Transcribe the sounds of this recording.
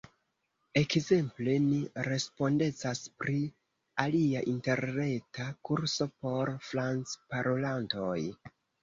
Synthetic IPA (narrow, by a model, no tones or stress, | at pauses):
e̞kze̞mple̞niɾe̞spo̞nde̞t͡saspɾi | aliaʔinte̞ɾne̞takuɾso̞po̞ɾfɾant͡spaɾo̞lanto̞j